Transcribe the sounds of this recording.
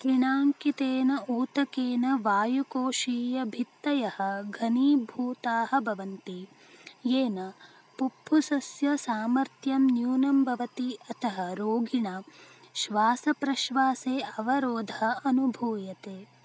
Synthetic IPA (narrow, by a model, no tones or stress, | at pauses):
kiɳaːŋkit̪eːnɐʔuːt̪ɐkeːnɐʋaːjukoːʃiːjɐbʱit̪ːɐjɐhɐ̆ɡʱɐniːbʱuːt̪aːɦɐ̆bʱɐʋɐnt̪i | jeːnɐ | pupʰːusɐsjɐsaːmɐɾt̪jɐmnjuːnɐmbʱɐʋɐt̪iɐt̪ʰɐɦɐɾoːɡʱiɳɐʃʋaːsɐpɾɐʃʋaːseːʔɐʋɐɾoːd̪ʱɐɐɐnubʱuːjɐt̪eː